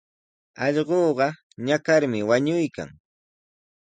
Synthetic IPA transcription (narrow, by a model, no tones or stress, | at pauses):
ɑʎɢoːɢɑ | ɲakaɾmɪwaɲʊjka̰ŋ